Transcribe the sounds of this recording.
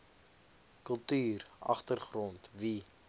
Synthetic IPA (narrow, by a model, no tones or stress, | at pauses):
kəlˠtyːrʔɐ̰χtərχrɔntvi